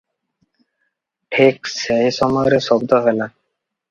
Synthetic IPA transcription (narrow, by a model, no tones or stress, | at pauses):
ʈʰiksejʃɔmɔjɾeʃɔbd̪oɦela